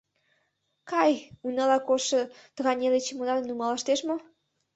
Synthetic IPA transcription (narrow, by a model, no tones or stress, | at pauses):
kɑjunɑlɑkoʃɤ̆t̪əɣɑnʲelet͡ɕemunɑlnumɑlɑʃt̪eʃmo